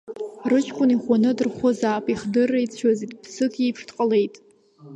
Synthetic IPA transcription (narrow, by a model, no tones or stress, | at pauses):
rɨt͡ʃʰʼkʷʰʼʊniχʷanɨdɨrχʷozaːpʼiχdɨrːait͡sʰazitʼpʰsɨkʰʼipʰʂdqʼəle̞jtʼ